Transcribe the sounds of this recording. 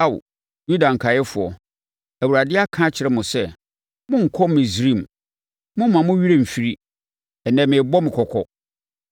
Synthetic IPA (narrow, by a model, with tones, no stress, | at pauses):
a˦˨w̰ | ju˦dã˨ŋ̩˨kʰa˨jɛ˦fʊ˨ɔ˨ | æ˨wu˨ɾa˨dɪ˦a˦kʰã˦t͡ɕʰɪ˨ɾɛ˦mʊ̃˨sɛ˦˨ | mʊ̃˦ŋ̩˨kʰɔ˦m˦mɪ̃˨sɾĩ˦˨m˨ | mʊ̃˦m˦mã˨mʊ̃˦ɥi˦ɾe˦m̩˨fi˦ɾi˦ | ɛ˨nɛ̃˨mɪ̃˨bɔ˦mɪ̃˨kʰɔ˨kʰɔ˦